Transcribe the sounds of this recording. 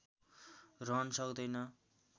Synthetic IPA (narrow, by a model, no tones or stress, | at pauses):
rʌnʌsʌkd̪ʌjnʌ